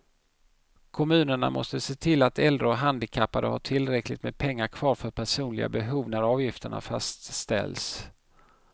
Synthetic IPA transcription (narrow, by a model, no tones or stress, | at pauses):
kʰɔmʉ̟ːnəɳa̰mʔɔ̰st̪əseːt̪ʰɪlːat̪ɛld̪ɾəɔɦand̪ɪkʰapːaɾə̰haʈʰɪlɾɛklɪt̪meːd̪̚pʰɛŋːaɾkʰvɑːɾfœɾpʰæʂuːnlɪ̰ɡa̰bɛɦuːvnaɾɑːvjɪft̪əɳa̰fa̰st̪st̪ɛ̰ls